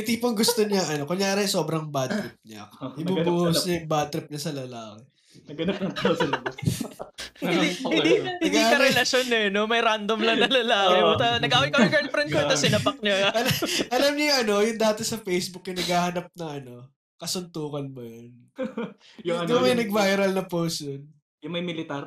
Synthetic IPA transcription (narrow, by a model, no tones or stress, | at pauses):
ɪt̪ipʊŋɡʊst̪o̞ɲɐŋʔɐno̞kʊŋjaːɾɛso̞ːbɾɐŋbad̪ɾɪp̚ɲɐ̰ʔɪbubuːhʊsɲɐjʊŋbad̪̚t̪ɾɪp̚ɲɐsɐlɐlaːkɛ | nɐɡɐnap̚nɐt̪sɐlɐbɐs | ihɪnd̪inhɐɡ̪iaːhɐɾɛlɐsonɛnomɐjɾand̪omlɐŋɐlɐlaːkɛt̪ɐnɐɡaːwɐjkɐmɐɡɐd̪̚fɾɛnd̪̚koɐsɪnɐpɐk̚ɲɐɐlʔɐlɐmɲɐjʊŋɐno̞jʊŋd̪aːt̪ɛsɐfejsbʊk̚jɐnɐɡhaːhɐnɐp̚nɐʔɐno̞ | kɐsʊnt̪uːkɐnmɐjon | jʊŋɐomɐjnɐɡ̚baːjɐɾɐlnɐpowsd̪on | jʊŋmɐjmɪlɪt̪aɾ